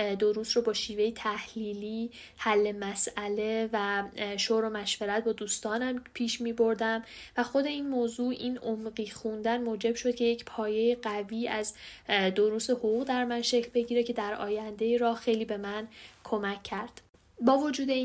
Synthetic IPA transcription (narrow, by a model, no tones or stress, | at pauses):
d̪oɾuːst̪robɒːʃiːve̞jet̪ʰæhliːliː | hælːe̞mæsæle̞væʃoɾo̞mæʃveɾæt̪̚ʰbɒːd̪uːst̪ɒːnæmpʰiːʃmiːbo̞ɾd̪æmvæxo̞d̪e̞iːnmoːzuːʔiːnomɢiːxund̪ænmoːd͡ʒe̞b̥ʃo̞d̪̚cʰʲe̞jecʰpʰɒːje̞jeɢæviːæzd̪oɾuːse̞hoɣuːɣd̪æɾmænʃe̞cʰlbe̞ɟiːɾecʰe̞d̪æɾɒ̰ːjænd̪e̞iːɾɒːxe̞jliːbe̞mænkʰo̞mæcʰːæɾd̪̥ | bɒːvo̞d͡ʒuːd̪e̞